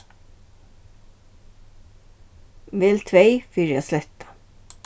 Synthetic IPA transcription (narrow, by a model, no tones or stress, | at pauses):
ʋɪlt̪ʰʋeɪfʏɾjɑslɛt̪ɑ̥